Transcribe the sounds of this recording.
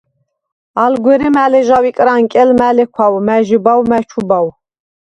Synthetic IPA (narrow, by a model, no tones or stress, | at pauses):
alɡʷɛɾimælɛʒawikʼɾaŋkʼɛlmælɛkʷʰwawmæʒibawmæt͡ʃʰubaw